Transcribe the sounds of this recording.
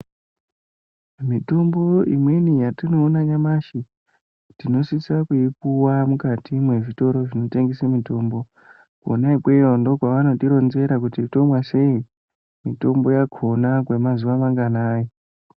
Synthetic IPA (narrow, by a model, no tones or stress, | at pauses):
mitombo̞ḭmwe̞nijatino̞ːnaɲamaʃi | tino̞sisakuip̚uwamukatʰimwe̞ʐito̞ɾo̞ʐino̞te̞ŋɡesemito̞ːmbo̞ | kuonaikwe̞jondo̞kwaʋano̞tiɾo̞nze̞ɾakutito̞mwase̞i | mito̞mbo̞jakʰo̞nakwe̞mazuʋamaŋɡanaːjo